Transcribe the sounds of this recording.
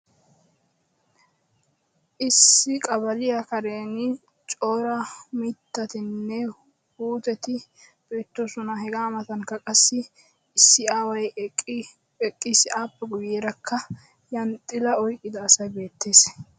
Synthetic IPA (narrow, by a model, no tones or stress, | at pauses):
ʔɪsːɪkʼɐβɐlɪjɐkɐɾe̞ːnɪ | t͡ʃʼo̞ːɾɐmɪt̪ːɐt̪ɪnːɛ | huːt̪ɛt̪ɪb̥e̞ːt̪ːosʊnɐɦɛɡaːmɐt̪ɐnkːɐkʼɐsːɪ | ɪsːɪaːwɐj | ɛkʼːisɪaːpːɛɡʊjeːɾɐkʰːɐ | jɐnt̪ʼɪlɐɔjkʼːɪd̪ɐːsɐjbe̞ːt̪ːe̞ːs